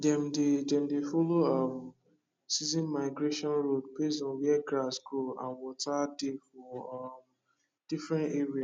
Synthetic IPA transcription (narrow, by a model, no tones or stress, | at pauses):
dɛm̩dedɛ̃m̩defoloɔm | sizĩnmaɪɡɾeʃɔ̃nɹod̚pezɔ̃nwɛɡasɡɹoã̰nwɔtadefɔm | d̥ifɹɛ̃nteɹia